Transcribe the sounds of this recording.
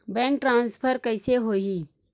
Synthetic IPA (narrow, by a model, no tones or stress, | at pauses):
bɛ̃ːŋk̚ʈɾãːnspʰəɾkəɪseɦoːɦi